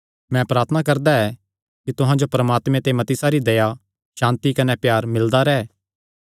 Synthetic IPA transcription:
mɛ̃pɾaːɾt̪ʰənakɐɾd̪aɛ | kit̪ʊɦãd͡ʒopɾɐmaːt̪mẽt̪emɐt̪isaɾid̪ɐja | ʃãːnt̪ikɐnɛpjaːɾmɪld̪aɾɛː

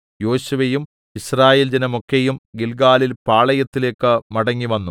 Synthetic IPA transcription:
jo̞ːɕuʋejum | iɕraːje̞ːld͡ʑɐnɐmo̞kːejumɡilɡaːlilpaːɭɐjɐt̪ːile̞ːkːɨmɐɽɐŋːiʋɐnːu

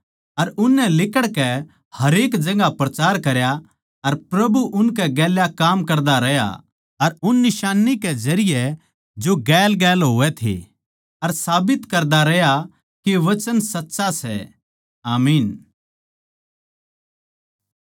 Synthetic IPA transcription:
ɐɾʊnːɛ̃lɪkəɽkɛ | hɐɾeːkd͡ʒɐ̃ŋɡapɾɐt͡ʃaːɾkɐɾja | ɐɾpɾɐbuʔʊnk̬ɛɡɛːljakaːmkɐɾd̪aɾɛja̰ | ɐɾʊnːɪʃaːnikɛd͡ʒɐɾɪjɛ | d͡ʒoːɡɛːlɡɛːlɦoːɛt̪ʰḛː | ɐɾsaːbɪt̪kɐɾd̪aɾɛɦja | keʋɐt͡ʃənsɐtːʃasɛ̰ | aːmiːn

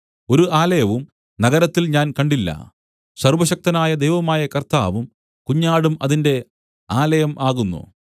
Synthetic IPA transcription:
o̞ɾuʔaːlɐjɐʋum | nɐɣɐɾɐt̪ːilɲaːnkɐɳɖilːɐ̰ | sɐrʋɐɕɐk̚t̪ɐnaːjɐd̪ejʋɐmaːjɐkɐrt̪aːʋum | kuɲːaːɽumɐ̰ðinde̞ | aːlɐjɐmʔaːɣunːṵ

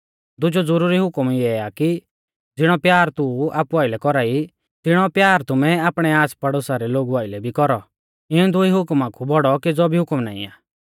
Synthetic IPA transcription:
d̪ʊd͡ʒod͡zʊɾuːɾiɦʊkmiɛaːki | d͡zɪɽ̃ɔpjaːɾt̪ua̰ːpuaːɪlɛkɔɾaːi | t̪ɪɽ̃ɔpjaːɾt̪ʊmɛaːpɽ̃ɛaːspɐɽosaɾɛloːɡuaːɪlɛbʱikɔɾɔ | ɪ̃d̪ʊiɦʊkmakʰubɔɽɔked͡zɔbʱiɦʊkmna̰ːḭ̃a̰ː

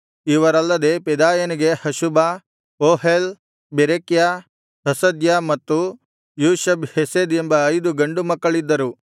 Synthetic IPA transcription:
iʋɐɾɐlːɐd̪epɛd̪aːjɐniɡe̞hɐʃuba | oːɦel | beɾekja | hɐsɐd̪jamɐt̪ːu | juːʃɐbhesed̪embɐːjd̪uɡɐɳɖumɐkːɐɭid̪ːɐɾu

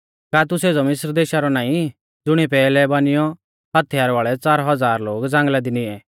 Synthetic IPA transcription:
kat̪ʊseːd͡zɔmɪsɾd̪eːʃaɾɔnaːĩ | d͡zʊɽ̃ipɛːlɛbanɪjɔ | ɦɐt̪ʰjaːɾʋaːɭɛt͡saːɾɦɐd͡zaːɾloːɡd͡zãːŋɡlad̪inɪɛ

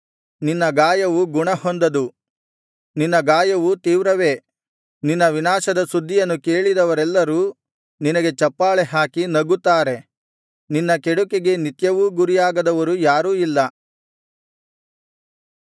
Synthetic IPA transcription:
ninːɐɡaːjɐʋuɡuɳɐhond̪ɐd̪u | ninːɐɡaːjɐʋut̪iːʋɾɐʋe̞ː | ninːɐʋinaːʃɐd̪ɐsud̪ʱːijɐnːuke̞ːɭid̪ɐʋɐɾɛlːɐɾuː | ninɐɡe̞t͡ʃɐpːaːɭɛɦaːkinɐɡut̪ːaːɾe̞ | ninːɐkeɽukeɡe̞nit̪jɐʋuɡuɾijaːɡɐd̪ɐʋɐɾujaːɾuːilːɐ

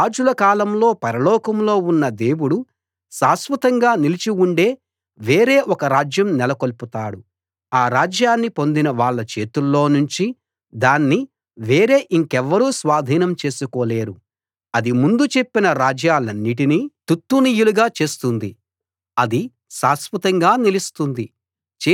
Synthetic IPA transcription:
aːd͡ʒulɐkaːlɐmlo̞ːpɐɾɐlɔːkɐmlo̞ːunːɐd̪e̞ːwuɽu | ʃaːsʋɐt̪ɐŋɡaːnilit͡ʃiuɳɖe̞ː | ʋe̞ːɾe̞ːʔɔkɐɾaːd͡ʒjɐmnɛlɐko̞lput̪aːɽu | aːɾaːd͡ʒjaːnːipo̞nd̪inɐʋaːɭːɐt͡ʃe̞ːt̪ulːo̞ːnuɲt͡ʃi | d̪aːnːi | ʋe̞ːɾe̞ːʔiŋkɛʋːɐɾuːsʋaːd̪ʱiːnɐmt͡ʃe̞ːsukoːle̞ːɾu | ɐd̪imund̪ut͡ʃe̞pːinɐɾaːd͡ʒjaːlɐnːiʈ̬iniːt̪ut̪ːuniːjuluɡaːt͡ʃe̞ːst̪und̪i | ɐd̪i | ʃaːsʋɐt̪ɐŋɡaːnilist̪und̪i

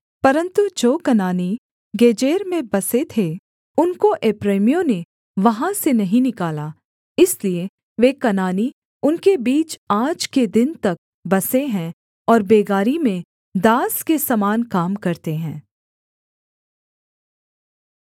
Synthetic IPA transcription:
pɐɾə̃nt̪ud͡ʒoːkɐnaːni | ɡeːd͡ʒeːɾmẽbɐset̪ʰe | ʊnkoʔeːpɾeːmijõne | ʋɐɦãsenɐɦĩnɪkaːla | ɪslie | ʋekɐnaːni | ʊnkebiːt͡ʃaːd͡ʒked̪ɪnt̪ɐk̚ | bɐseɦɛ̃ | ɔːɾbeːɡaːɾimẽ | d̪aːskesɐmaːnkaːmkɐɾt̪eɦɛ̃ː

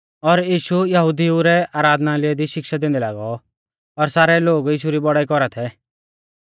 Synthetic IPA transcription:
ɔɾjiːʃujɐɦud̪iuɾɛaːɾaːd̪ʱnalɪɛd̪iʃɪkʃad̪ẽːnd̪ɛla̰ːɡɔ | ɔɾsaːɾɛloːɡjiːʃ̬uɾibɔɽaːikɔɾat̪ʰɛ

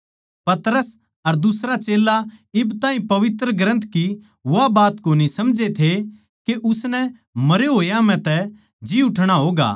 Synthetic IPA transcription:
pɐt̪ɾəs | ɐɾd̪ʊsɾat͡ʃeːlaɪbt̪aːɦĩpɐʋɪt̪ɾəɡɾə̃nt̪ʰki | ʊabaːt̪koːnisɐmd͡ʒet̪ʰe | keʔʊsnɛ | mɐɾeɦoːjãm̤ɛ̃t̪ɛ | d͡ʒiʊʈʰɽ̃aɦoːɡa̰ː

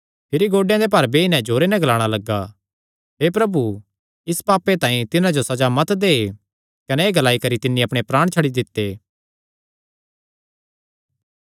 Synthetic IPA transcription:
pʰɪɾiɡoːɖejãd̪epɐɾbeɪnɛ̃d͡ʒoːɾenɛ̃ɡʱlaːɽ̃alɐɡːa | ɦeːpɾɐbu | ɪspaːpːet̪ãːĩt̪ɪnãd͡ʒosɐd͡ʒamɐt̪d̪eː | kɐnɛeːɡɐlaːikɐɾit̪ɪnːĩɐpɽ̃epɾaːɽ̃t͡ʃʰɐɽid̪ɪt̪ːeː

